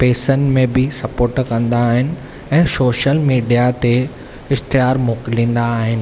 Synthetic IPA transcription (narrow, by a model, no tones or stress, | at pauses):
peːsənmẽbɪsɐpoːɾʈkɐ̃nd̪aːɦɪnɪ̆ | ɛ̃ːsoːʃəlmiːɖijat̪e | ɪst̪ijaːɾmoːkɪlĩːn̆d̪aːɦɪnɪ̆